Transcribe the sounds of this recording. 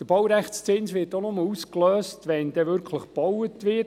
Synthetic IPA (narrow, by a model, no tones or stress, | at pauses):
d̥̪əb̥ɔwɾæχtst͡sɪnsʋɪːtonʊməuskløːstʋɛnd̥̪ɛʋʏɾkʰləχb̥ɔwətʋɪ